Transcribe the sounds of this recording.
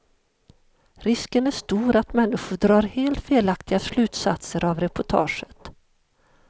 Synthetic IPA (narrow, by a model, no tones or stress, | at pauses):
ɾɪskənæʂt̪uːɾat̪mɛnːɪɧʊɖɾɑːɾheːlt̪feːlakt̪ɪɡaslʉ̟ːt̪sat̪səɾavɾɛpʊʈʰɑ̰ːʂə̥t̪